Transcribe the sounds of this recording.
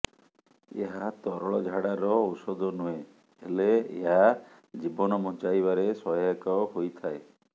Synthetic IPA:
ḛɦat̪ɔɾɔɭɔd͡ʒʱaɽaɾɔːwsɔd̪ʱɔnue | eleḛɦa | d͡ʒibɔnɔmɔ̃nt͡ʃajβaɾesɔɦakɔɦojt̪ʰae

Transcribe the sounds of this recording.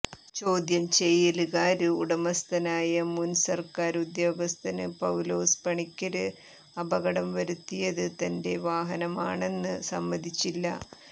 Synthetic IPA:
t͡ɕo̞ːd̪jɐmt͡ɕejːilɨɣaːɾɨuɽɐmɐst̪ɐnaːjɐmunsɐrkaːɾud̪jo̞ːɡɐst̪ʰɐnɨpɐwlo̞ːspɐɳikʲːɐɾɨ | ɐbɐɣɐɽɐmʋɐɾut̪ːijɐðɨt̪ɐnde̞ʋaːɦɐnɐmaːɳe̞nːɨsɐmːɐd̪ʱit͡ɕːilːɐ̰

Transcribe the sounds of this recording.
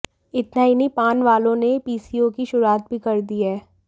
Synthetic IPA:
ɪt̪naɪnipaːnʋaːlõnepiːsijõkiʃʊɾaːt̪̚bʱikɐɾd̪iɦɛː

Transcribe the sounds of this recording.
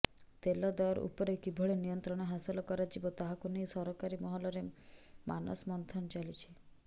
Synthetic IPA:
t̪elɔd̪aɔɾṵpɔɾekibʱɔɭenijɔnt̪ɾɔɽ̃ɔɦasilɔkɔɾad͡ʒibɔt̪aɦakunejsɔɾɔkaɾimɔɦɔlɔɾema̰nɔ̰smɔnt̪ʰɔnt͡ʃalit͡ʃʰi̥

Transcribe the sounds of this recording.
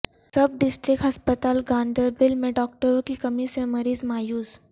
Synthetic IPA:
səb̚ɖisʈɾikɦəspət̪alɡãɳɖ̪əɾbilmeɖɔk̚ʈəɾokikəmiːseməɾiːsmajuːs

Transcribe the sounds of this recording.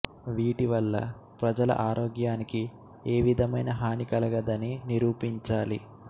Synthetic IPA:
ʋiːʈiʋɐlːɐ̰ | pɾɐd͡ʒɐlɐ̰ʔaːɾoːɡjaːniki | eːʋid̪ʱɐmɐjnɐɦaːnikɐlɐɡɐd̪ɐniniɾuːpiɲt͡ʃaːlḭ

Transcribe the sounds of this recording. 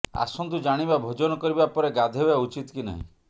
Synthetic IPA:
a̰sɔnd̪ud͡ʒaɽ̃ibabʱod͡ʒɔnɔkɔɾibapɔɾeɡad̪ʱebaut͡ʃit̪ɔkina̰ɦḭ̃

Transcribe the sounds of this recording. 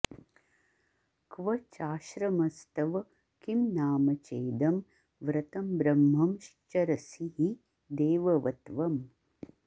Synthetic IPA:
kʋɐt͡ʃaːʃɾɐmɐst̪ɐʋɐ | kimnaːmɐt͡ʃeːd̪ɐm | ʋɾɐt̪ɐmbɾɐmɦɐmʃt͡ʃɐɾɐsiɦi | d̪eːʋɐʋɐt̪ʋɐm

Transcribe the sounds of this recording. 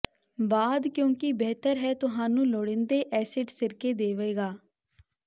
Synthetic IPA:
baːd̪kjõːkɪbɛːt̪əɾɦɛːt̪ʊɦaːnũːloːɽɪnd̪eːʔɛːsɪʈsɪɾkeːd̪eːʋeːɡaː

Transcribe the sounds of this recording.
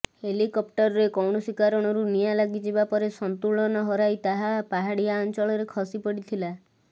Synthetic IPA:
helikɔp̚ʈɔɾɔɾekɔwɳɔswikaɾɔɽ̃ɔɾunijalaɡid͡ʒebapɔɾesɔnt̪uɭɔnɔɦɔɾajt̪aɦapaɦaɽijaɔnt͡ʃɔɭɔɾekʰɔsipɔɽit̪ʰila

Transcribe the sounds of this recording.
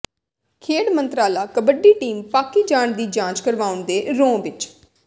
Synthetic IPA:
kʰeːɽmənt̪ɾaːlaːkəbəɖiːʈiːmpaːkiːd͡ʒaːɳd̪iːd͡ʒãːt͡ʃkəɾʋaːʊnd̪eːɾõːʋɪt͡ʃ

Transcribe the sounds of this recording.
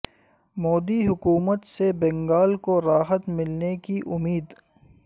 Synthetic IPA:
mɔːd̪iɦʊkuːmət̪sebɛ̃ŋɡaːlkoɾaːɦət̪mɪlnekiʔʊmiːd̪

